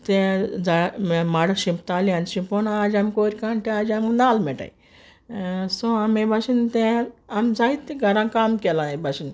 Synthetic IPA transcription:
t̪ẽd͡zamaɽaɕimpt̪alianʃimponad͡zamkoɾʲikaɳt̪ead͡ʒamnalmɛʈa̰i | soamebasint̪ẽamd͡zait̪ːeɡʱɐɾãkaːmkɛlãebʱasin

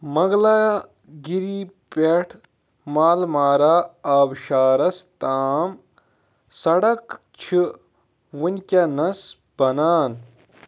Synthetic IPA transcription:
mɐɡla | ɡiɾipeʈʰ | maːlmaːɾaːaːbʃaːɾɐst̪aːm | sɐɽɐk | t͡ʃʰi | wunʲkʲɐnɐs | b̥ɐnaːn

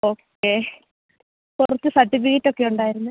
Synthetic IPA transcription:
o̞ːkː | eː | kurɐt̪ːɨsɐʈːifiɣitːo̞kːe̞uɳɖaːjiɾunːu

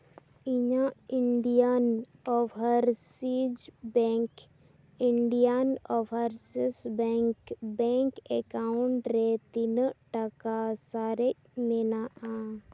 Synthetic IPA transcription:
iɲaiɳɖijanɔwɦəɾsid͡ʒbɛŋk | iɳɖijanɔwəɾsisbɛŋkbɛŋkɛkauɳʈɾet̪inʈakasaɾɛc̚mɛnaʔa

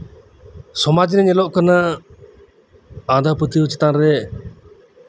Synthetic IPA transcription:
sɔmad͡ʒinɛɲɛlɔʔkəna | ãd̪ʱaput̪iut͡ʃɛ̥t̪anɾɛ

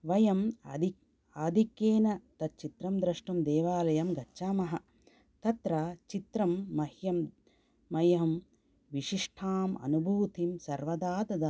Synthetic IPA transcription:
ʋɐjɐmd̪i | aːd̪ʱikeːnɐt̪ɐt̪̚t͡ʃit̪ɾɐmd̪ɾɐʂʈɐmd̪eːʋaːlɐjɐmɡɐtːʃaːmɐɦɐ̆ | t̪ɐt̪ɾaːt͡ʃit̪ɾɐmːɐhjɐmː | ɐjɐɦɐm | ʋiʂiʂʈʰaːmɐ̰nubʱuːt̪imsɐɾʋɐd̪aːd̪ɐd̪ɐ

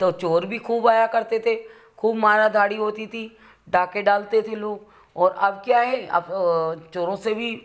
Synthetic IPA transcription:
t̪ot͡ʃoːɾbʱikʰuːbaːjakɐɾt̪et̪ʰe | kʰuːbmaːɾad̪ʱaːɽiɦoːt̪it̪ʰi | ɖaːkeɖaːlt̪et̪ʰeloːɡ | ɔːɾɐbkjaːɦɛɐ̰bt͡ʃoːɾõsebʱi

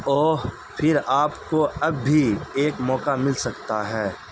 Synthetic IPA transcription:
ɔːɾ | pʰɪɾaːpkoɐbːieːkmɔːkamɪlsɐkt̪aɦɛː

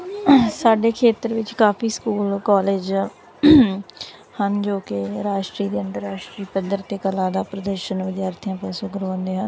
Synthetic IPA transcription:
saːɖeːkʰeːt̪əɾʋɪt͡ʃkaːpʰiːskuːlkaːleːd͡ʒ | hənd͡ʒoːkeɾaːʃʈɾiːd̪eːənt̪əɾːaːʃʈɾiːpəd̪əɾt̪eːkəlãːd̪aːpɾəd̪əɾʃənʋɪd̪jaːɾt̪ʰijãːpɛːsõːkəɾoːnd̪eːɦən

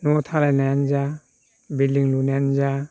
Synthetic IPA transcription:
nɔtʰalajnajanza | biliŋlunajanza

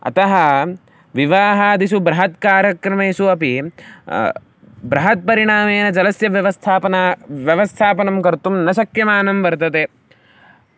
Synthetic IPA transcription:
ɐ̰t̪ɐɦɐ̆ | ʋiʋaːɦɐɐd̪isubɾɐɦɐt̪kaːɾjɐkɾɐmeːsuɐpi | bɾɐɦɐt̪̚pɐɾiɳaːmeːnɐd͡ʒɐlɐsjɐʋjɐʋɐst̪ʰaːpɐnʋjɐʋɐst̪ʰaːpɐnɐmkɐɾt̪umnɐsɐkjɐmaːnɐmʋɐɾt̪ɐt̪eː

